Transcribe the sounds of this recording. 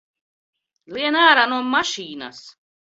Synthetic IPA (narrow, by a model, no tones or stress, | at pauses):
liɛnaːɾanuɔmaʃiːna̰s